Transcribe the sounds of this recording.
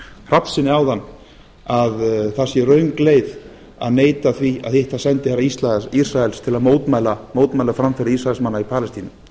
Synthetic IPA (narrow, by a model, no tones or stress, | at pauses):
r̥apn̥sɪnːɪawðanː | aðθasjɛrœɥŋkleːjð | a̰ðneːjt̪aθvia̰ðθejht̪asɛnt̪ɪhaɾaist̪laðɛisɾaɛlst̪ʰɪlaðmoːwt̪maːjlamoːwt̪maːjlafɾamfɛɾɪɾisraɛlsmanːaipʰaːlɪst̪iːnɪ